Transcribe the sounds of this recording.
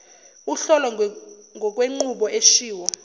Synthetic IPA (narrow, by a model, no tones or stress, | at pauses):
uɬɔlɔ | ŋɡʱɔk̬ʼweŋ͡ǃuɓɔʔeʃiːwɔ